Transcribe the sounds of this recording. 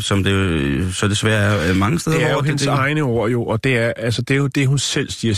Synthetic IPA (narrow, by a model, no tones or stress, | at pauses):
sɒ̽md̥esɒmd̥e̝sʋæːɐæɐmɑ̈ŋəsd̥eðdeæɐjoɦenəsɑ̈ɪnəoɐ̰jo̝ʔɒ̽d̥e̝æɐʔælsəd̥e̝od̥e̝ɦunsel̰siɐ